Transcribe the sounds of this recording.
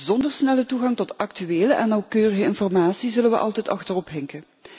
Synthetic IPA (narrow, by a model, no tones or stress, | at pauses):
zɔndərsnɛlətuɣɑŋtɔtɑktyeːləʔɛnːɑwkøːrəɣəɪnfɔrmaːtsizɵlənʋə̰ʔɑ̰lˠtɛjtɑ̰xtərɔpɦɛŋkən